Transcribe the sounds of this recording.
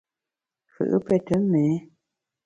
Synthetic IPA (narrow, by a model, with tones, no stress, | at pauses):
kɨ̰˨ʔə̰˦pɛ˦tə˨˦mɛː˨˦